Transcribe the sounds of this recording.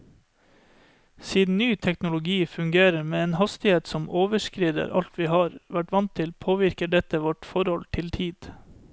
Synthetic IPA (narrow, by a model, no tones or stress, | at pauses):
siːd̪n̩nyːt̪ʰɛknʊlʊɡiːfʉŋɡeːɾəɾmeːeːnhɑst̪ɪheːt̪sɔmʔoːʋəʃkɾiːd̪ə̰ɾʔɑ̰lt̪ʰʋiːhɑːɾʋæʈʋɑnt̪ʰːɪlpʰoːʋɪɾkəɖɛt̪əʋɔʈfɔɾhɔlt̪ʰɪlt̪ʰiːd̪̥